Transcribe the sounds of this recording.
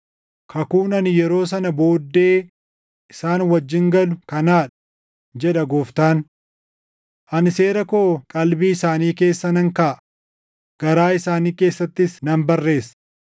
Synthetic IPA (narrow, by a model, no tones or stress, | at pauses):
kʰɐkuːnɐnɪjɛɾo̞ːs̬ɐnɐbo̞ːd̪ːeː | ʔɪsaːnwɐd͡ʒːɪŋɡɐlʊkɐnaːᶑɐ̥ | d͡ʒɛᶑɐɡoːft̪aːn | ʔɐnɪse̞ːɾɐkoːkʼɐlbiːɪsaːniːke̞ːsːɐnɐŋkaː | ɡ̥ɐɾaːɪsaːniːke̞ːsːɐt̪ːɪsnɐmbɐrːe̞ːs